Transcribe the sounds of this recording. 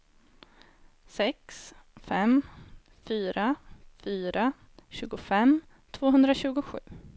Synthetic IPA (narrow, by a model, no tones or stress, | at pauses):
sɛksfɛm | fyːɾafyːɾa | ɕʉ̟ːɡʊfɛm | t̪ʰvoːɦɵnd̪ɾaɕʉ̟ːɡʊɧʉ̟̰ː